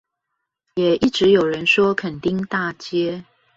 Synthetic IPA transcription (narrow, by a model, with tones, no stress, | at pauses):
jɛ˨˩i˥˩ʈ͡ʂɻ̩˨˧˦jo˨˩ʊɻə˧˦nʂwɔ˦kʰə˨˩nt̪i˥˨ŋt̪a˥˨t͡ɕjɛ˥